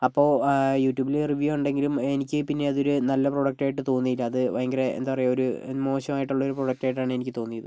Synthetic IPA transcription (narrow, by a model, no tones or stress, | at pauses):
ɐpːo̞ːjuːtːjuːbileriʋjuuɳɖe̞ŋɡilume̞nikʲːɨpinːe̞ɐðo̞ɾunɐlːɐproɽɐk̚ʈaːjiʈːɨt̪o̞ːnːijilːɐːðɨʋɐjɐŋɡɐɾeḛnd̪aːpɐrɐjooɾumo̞ːɕɐmaːjiʈːuɭːɐo̞ɾuproɽɐk̚ʈaːjiʈːaːɳɨe̞nikʲːɨt̪o̞ːnːijɐðɨ